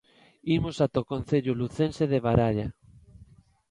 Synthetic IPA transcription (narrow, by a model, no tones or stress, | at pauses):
imosat̪okon̟θeʎʊluθenseðeβaɾaʎa